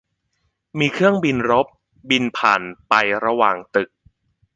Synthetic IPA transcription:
miː˧kʰɯ˥˩əŋbi˧nɾo˦˥p̚ | bi˧npʰaː˨˩npa˧jɾa˧waː˨˩ŋt̪ɯ˨˩k̚

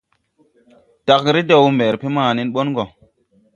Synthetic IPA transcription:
d̥a˨kɾi˦de˨wme˨ɾpe˦maː˦˨ni˦nɓo˦nɡo˨

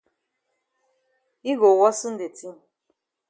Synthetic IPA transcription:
i˦ɡo˨wɔ˦sɨ˦n̩˦de˨tʰi˦˨

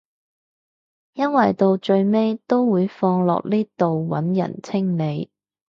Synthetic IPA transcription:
jɐ˥nwɐ˨˩jt̪o˧wt͡ʃɵ˧ɥme˥jt̪o˥wwuː˨˧jfɔː˧ŋlɔ̰ː˨k̚liː˥t̪o˨wwɐ̰˨˥njɐ̰˨˩nt͡sʰɪ˥ŋle˨˧j

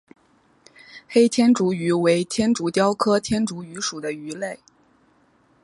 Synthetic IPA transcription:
xe˥ɪt̪ʰjɛ˥nʈ͡ʂu˧˥y˧˥we˧˥ɪt̪ʰjɛ˥nʈ͡ʂu˧˥t̪jɑ˥ʊkʰɤ˥t̪ʰjɛ˥nʈ͡ʂu˧˥y˧˥ʂu˨˩d̪ə˦y˧˥le˥˩ɪ

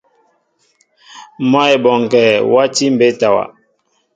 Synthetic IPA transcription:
ma˦ɛ˨bɔ˨ŋ˨kɛː˨wa˦ti˦m̩˨be˨˦ta˨wa̰˨

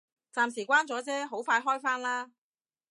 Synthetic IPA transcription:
t͡saː˨msiː˨˩kʷwaː˥nt͡sɔː˨˥t͡sɛː˥ɦo˨˥wfaː˧jɦɔː˥jfaː˥nlaː˥

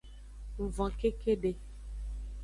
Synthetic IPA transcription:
vɔ̃˨ke˦ke˦ɖe˨

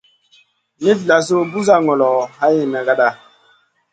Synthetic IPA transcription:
mi˦tla˨s̬o˦bu˦za˦ŋɔ˨lɔ˨ha˦ji˦˨na˨ɡa˦da˦˨

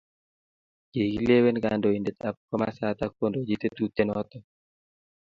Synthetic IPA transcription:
d͡ʒe˨ɡi˦le˦we˦nɡando˨i˨ndet̪a˨p̚kɔ˦ma̰sat̪ak̚ːo˦ndod͡ʒit̪e˦t̪ut̪ːe˦nɔt̪ɔ

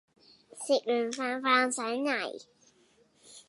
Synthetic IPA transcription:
si˧˩k̚lyː˨˩nfaː˧nfaː˧ŋsa˨˥ɥŋa˨˩j

